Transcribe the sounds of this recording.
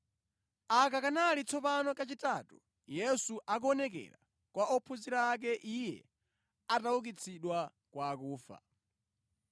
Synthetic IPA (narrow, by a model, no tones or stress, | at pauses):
akakanalit͡sʰɔpanɔkat͡ʃitatu | jɛsuʔak̬uɔnɛk̬ɛ̰ɾa̰ | kwaɔpʰuziɾaːk̬ɛʔijɛ̰ | atawuk̬it͡sʰiɗwa | kwaːkuːfa̰